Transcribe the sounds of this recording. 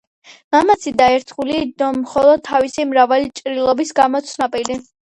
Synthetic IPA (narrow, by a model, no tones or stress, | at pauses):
mamat̪sʰid̪aɛɾt̪ʰχulid̪ɔmχɔlˠɔd̪̚t̪ʰːavisimɾavalit͡ʃʼɾilˠɔbisɡamɔt̪sʰnapʼili